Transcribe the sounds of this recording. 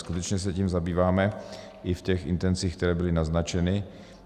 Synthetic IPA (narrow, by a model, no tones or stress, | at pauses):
skut̪ɛt͡ʃɲɛs̬ɛciːmzabiːvaːmɛ | ʔɪfcɛxʔɪ̰nt̪ɛnt͡siːxk̚t̪ɛɾɛːbɪlɪnaznat͡ʃɛnɪ